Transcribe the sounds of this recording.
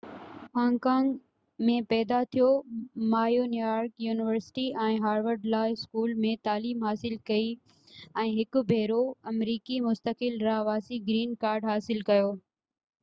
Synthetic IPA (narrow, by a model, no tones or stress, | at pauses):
hãːŋɡkãːŋɡ | mẽpɛːd̪at̪ʰijomaːjonujaːɾkjuːnɪʋəɾsɪ̥ʈiɛ̃ːɦaːɾʋəɾɖlaːɪskuːlmẽt̪aːliːmɦaːsɪlkɐi | ɛ̃ːɦɪkʊ̆bʱeːɾoɐmɾiːkimʊst̪əkɪlɾaʋaːsiɡɾiːnkaːɾɖɦaːsɪlkɐjoː